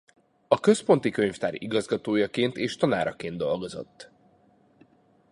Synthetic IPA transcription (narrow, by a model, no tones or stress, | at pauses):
ɒkø̞spo̞nt̪ikø̞ɲft̪aːɾiɡɒzɡɒt̪oːjɒkeːnt̪eːʃt̪ɒna̰ːɾɒkeːnd̪o̞lɡo̞zo̞̰t̪ː